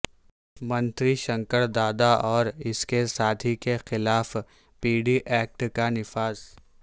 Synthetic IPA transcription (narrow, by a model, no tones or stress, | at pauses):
mɐ̃nt̪ɾiʃɐ̃ŋkəɾd̪aːd̪aʔɔːɾɪskesaːt̪ʰikexɪlaːf | piːɖiʔɛːk̚ʈkanɪfaːz̥